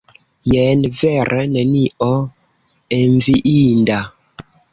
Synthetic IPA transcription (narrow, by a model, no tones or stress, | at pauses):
jɛnvɛɾʔənɛniɔ | ɛɱviʔinda